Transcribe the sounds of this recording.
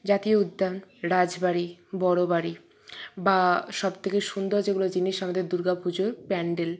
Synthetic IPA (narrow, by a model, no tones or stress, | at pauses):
d͡ʑat̪ioud̪ʱːanɾad͡ʑbaɾibɔɽobaɾi | baʃɔbt̪ʰekeʃund̪oɾd͡ʑeɡulod͡ʑiniʃamad̪eɾd̪uɾɡapʰud͡ʑoɾpɛɳɖel